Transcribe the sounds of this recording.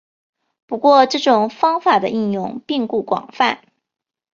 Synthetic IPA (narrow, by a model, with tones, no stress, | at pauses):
pu˧˥kwɔ˥˧ʈ͡ʂɤ˥˩ʈ͡ʂʊ˨˩ŋfɑ˥ŋfa˨˩d̪ə̰˦ʔi˥˧njʊ˥˧ŋpi˥˧ŋku˥˩kwɑ̰˨˩ŋfa̰˥˩n